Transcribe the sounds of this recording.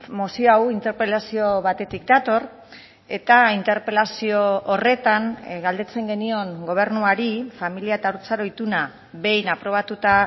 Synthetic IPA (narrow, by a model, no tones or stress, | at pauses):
mosiawint̪eɾpelasio̞βat̪e̞t̪ikd̪at̪o̞r | e̞t̪aint̪e̞ɾpe̞lasio̞ːre̞t̪aŋɡald̪e̞t͡se̞ŋɡe̞nio̞ŋɡo̞β̞e̞ɾnuaɾifamiliaet̪auɾt͡saɾo̞it̪una | βe̞jnapɾo̞β̞at̪ut̪a